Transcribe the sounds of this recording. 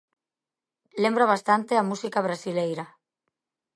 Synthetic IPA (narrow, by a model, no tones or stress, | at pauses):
lembɾaβast̪ant̪eamusikaβ̞ɾasilejɾa